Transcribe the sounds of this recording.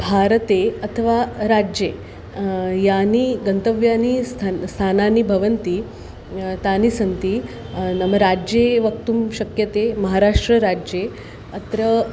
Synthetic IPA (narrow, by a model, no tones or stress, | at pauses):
bʱaɾət̪eət̪ʰəʋaɾad͡ʑe | janiːɡənt̪əʋjaniːst̪ʰst̪ʰananiːbʱɐʋənt̪iː | t̪aniːsənt̪iː | nəməɾad͡ʑeʋək̚t̪uːmɕəkjət̪eməɦaɾaʂʈɾəɾad͡ʑe | ət̪ɾə